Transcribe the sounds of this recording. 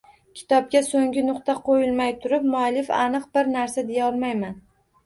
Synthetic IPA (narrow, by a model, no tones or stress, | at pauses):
kʲʰɪ̥t̪ʰɒb̚ɡʲasoŋɡʲɪnʊqt̪aqʰojɪlˠmajt̪ʰʊɾɪp̚mʊalɪfa̰nɨqbɪɾnaɾsad̪ejaɒlˠmajman